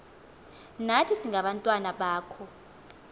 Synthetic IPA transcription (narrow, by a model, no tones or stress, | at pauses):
natʰisiŋʱaɓantʼwanaɓaːkʰɔ